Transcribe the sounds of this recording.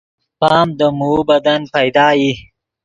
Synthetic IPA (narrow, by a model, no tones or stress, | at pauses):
pɑːmd̪əmuːbɐd̪anpɐjd̪ɑːji